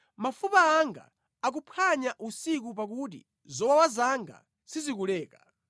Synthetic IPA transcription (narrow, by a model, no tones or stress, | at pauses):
mafupaːŋɡa̰ | ak̬upʰaɲaʔusikup̬ak̬ut̬ḭ | zɔwawazaŋɡa̰ | sizikulɛːka